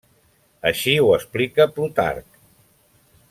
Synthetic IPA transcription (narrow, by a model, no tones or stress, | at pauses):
əʃiuəsplikəplut̪a̰rk